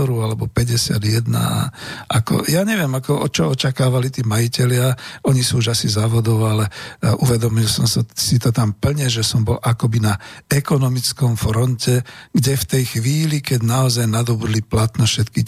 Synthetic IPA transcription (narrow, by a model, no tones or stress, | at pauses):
ɔɾualɛbɔpɛɟɛsɪa̰d̪jɛd̪na̰ʔakɔ̰jaːɲɛʋɪɛmakɔɔ̰t͡ʃɔɔt͡ʃakaːʋalit̪iːmajicɛlɪaɔɲisuːuʒasizaːʋɔd̪ɔʊalɛuʋɛd̪ɔmilsɔmsasit̪ɔt̪ampl̩ɲɛʒɛsɔmbɔlʔakɔbinaɛkɔnɔmit͡skɔmfɾɔncɛɡɟɛft̪ɛjxʋiːlikɛɟnaɔzajnad̪ɔbud̪liplat̪nɛʃɛt̪ki